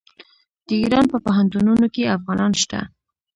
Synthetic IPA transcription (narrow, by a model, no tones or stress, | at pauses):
d̪̥əiɾɑnpəpaɦant̪ununokeafɣɑnɑnʃt̪a̰